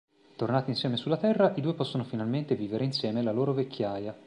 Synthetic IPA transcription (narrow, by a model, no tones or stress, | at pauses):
t̪ornaːt̪insjɛːmesulːat̪ɛrːaʔid̪uːepɔsːonofinalment̪eviːveɾeinsjɛːmelaloːɾovekʰʲːjaːja